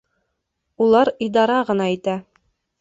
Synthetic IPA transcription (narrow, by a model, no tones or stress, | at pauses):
ulˠɑɾid̪ɑɾɑʁɤ̆nɑit̪æ